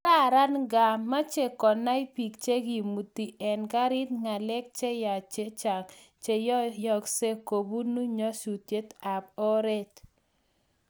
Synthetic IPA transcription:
ɾa˦ɾa˦nɡa˨mːa˦t͡ʃe˨kɔ˨na˦i˦pi˨k̚t͡ʃe˦ɡi˨mu˨ti˨ʔɛ˨nka˦ɾɪ˦t̪ŋa˨lɛ˦k̚t͡ʃe˦ja˨t͡ʃe˦t͡ʃa˨k | t͡ʃe˨jɔ˦jɔ˨kse˦ko˨bu˦nu˦ɲɔ˦su˨tje˦t̪a˨po˦ɾe˦t

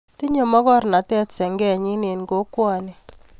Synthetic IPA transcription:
ti˦ɲɔ˨mɔ˦kɔ˦ɾna˨˦tɛ˦tsɛ˨ŋɡɛ˦˨ɲi˦ne˨nɡo˦kwa˨ni˨

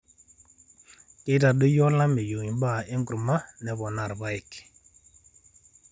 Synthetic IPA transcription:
ke˦da˨ɗə˦jɔ˦la˦me˨jo˨ŋi˨ba˦˨e˦ŋɡɾu˨ma˦nɛ˨βɔ˨na˨ɾba˦i˨k

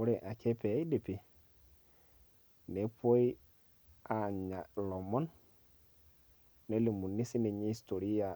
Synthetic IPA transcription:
mu˦ɾe˨ʔa˨ke˦pe˨˦i˦de˨pi˨ | ne˨pʰo˦i˦ | a˨ɲa˨lo˨mɔ˦n | e˦li˨mu˨nːi˦si˦ne˨ɲi˦sto˨ɾi˦ja˨

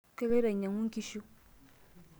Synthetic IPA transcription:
ke˦le˦ɾa˨ɲa˨ŋu˦ŋ̩˦ki˦ʃu˦

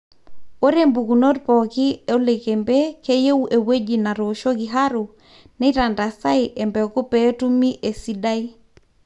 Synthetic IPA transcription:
o˦ɾe˦mbu˨ku˨no˦tpɔ˨ki˦o˦le˨ke˨mbe˦ke˦je˦wʔe˨we˦d͡ʒi˨na˨ɾo˨ʃo˦ki˨ɦa˦ɾu˨ | ni˦ɾa˨nda˨sa˦jʔɛ˨mbɛ˨ku˦pɛ˦tu˦mi˦ʔe˨si˦da˦i˦

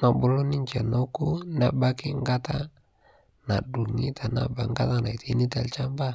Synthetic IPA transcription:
ma˨bu˨lo˦ni˦ɲt͡ʃɛ˨no˦ku˦na˨ba˦kɪ˦ŋɡa˦ta˦ | na˨du˨ŋi˦tʰa˨na̰˨ba̰˨ŋɡa˦ta˦na˨i˨ti˦ni˦ta̰˨lt͡ʃa˦mba˦

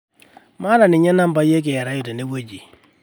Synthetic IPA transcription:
ma˦ɾa˨nɪ˨ɲɛ˦na˦mba˨˦je˦k̬e˨ja˨ɾa˨˦jo˨te˨ne˦wo˦d͡ʒi˨

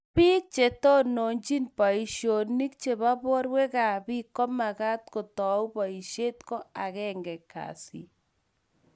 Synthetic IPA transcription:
pi˦k̚t͡ʃe˨tɔ˦no˨ɲt͡ʃi˦npa˨i˨ʃo˨ni˦k̚t͡ʃe˨ba˦bɔ˦ɾwe˦ka˨bi˦kɔ˦ma˨ka˦t̪ko˨tɔ˨u˦pɔ˨i˨ʃe˦tkɔ˦a˨kɛ˦ŋɡɛ˨ka̰si˨

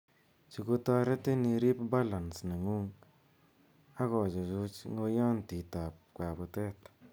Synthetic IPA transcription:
t͡ʃi˨ku˧tɔ˧ɾe˦te˦ni˧ɾi˦pba˦la˨nsna˨ŋu˦ŋ | a˦kɔ˨t͡ʃɔ˨t͡ʃu˧t͡ʃŋo˧jɔ˦nti˨ta˨p̚kwa˨bu˨˧tɛ˦t

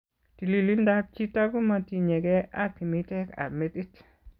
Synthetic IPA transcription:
ti˨li˨li˦nda˦p̚t͡ʃi˦ta˦ɡu˦ma˨ti˨ɲe˨ɡɛ˦a˦ti˨mi˦tɛ˦ka̰˨me˦ti˦t

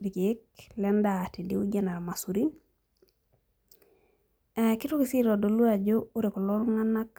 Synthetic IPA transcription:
di˨ki˨˦klɛ˦ndati˨diu˦ɟa˦na˨ɾma˨su˨ɾi˦n | ki˦tu˦kisi˦ɾɔdo˨lu˦ad͡ʒou˦ɾe˨ku˨lo˦nŋa˦na˦k

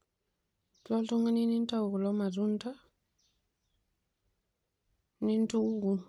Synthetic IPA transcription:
lɔ˦tu˦ŋa˦ni˦ni˦n˦ta˦u˨ku˨lɔ˦ma˨zu˦n˦ta˦ | ni˦n˦tu˦u˦ɡu˨

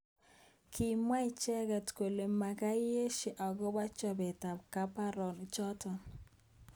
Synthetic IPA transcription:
kʰi˨mwa˦i˦t͡ʃɛ˦ɡa˨tko˨le˨ma˨ka˦je˦ʃi˨ʔɔ˨ɡɔ˦ba˦t͡ʃɔ˦bɛ˨ta˨ka˦pa˦ɾɔ˨n˨t͡ʃɔ˦tɔ˨

